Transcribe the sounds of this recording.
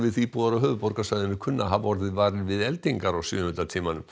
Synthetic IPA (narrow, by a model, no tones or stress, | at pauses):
vɪðθipuːðaɾaɦœːvʏpɔɾkasaːjðɪnɪkʰʏnːaɦavɔɾðɪvaːɾɪɾvɪðɛlt̪iŋkaɾawsjʏ̰ːhʏnɾat̪ʰiːmanʏm